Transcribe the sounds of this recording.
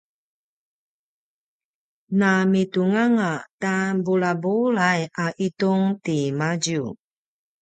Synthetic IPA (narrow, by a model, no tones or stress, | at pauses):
namituŋaŋatabulabulajaʔituŋtimaɟu